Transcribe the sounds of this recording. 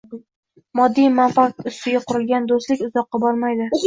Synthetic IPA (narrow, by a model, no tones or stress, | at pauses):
mɒd̪ːijmanfaʊst̪ɪɡʲaqʰʊɾɪlɡʲand̪ost̪lɪkʲʊzɒqːɑbɒɾmajd̪ɪ